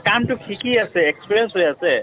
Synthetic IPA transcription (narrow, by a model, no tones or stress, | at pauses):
kamʈukʰikiəseekspiɾijənsɦojase